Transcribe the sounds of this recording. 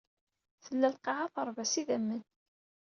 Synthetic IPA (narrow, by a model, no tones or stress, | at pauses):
θəlːælqɑʁaθəɾˤvæsiðæmːən